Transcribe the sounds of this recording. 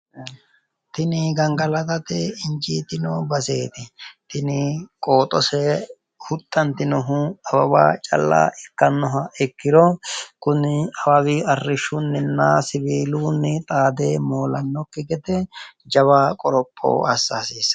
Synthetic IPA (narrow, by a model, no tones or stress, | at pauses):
t̪ɪnɪɡɐŋɡɐlɐt̪ɐt̪ɛɪnt͡ʃiːt̪ɪnɔbɐseːt̪ɪt̪ɪnɪkʼoːt̪ʼɔsɛ | hʊt̪ʼːɐnt̪ɪnɔɦʊɐbɐba̰ːt͡ʃʼɐ̰lːa̰ːɛkːɐnːɔɦɐɛkːɪɾɔkʊnɪɐbɐwɪɐrːɪʃːʊnːɪnːaːsɪbiːluːnːɪt̪ʼaːd̪eːmoːlɐnːɔkːɛɡɛt̪ɛd͡ʒɐβaːkʼɔɾɔpʼːo̰ːɐsːaːsiːs